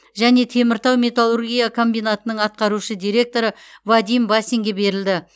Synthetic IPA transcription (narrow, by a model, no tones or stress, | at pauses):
ʒæne̞t̪ʰe̞mɪɾt̪ɑwmʲe̞t̪alˠurɡʲijakʰo̞mbijnat̪ənəɴɑt̪̚qɑɾuʃəd̪ijɾe̞k̚t̪o̞ɾə | vad̪ijmbasiŋɡʲe̞be̞ɾɪld̪ɪ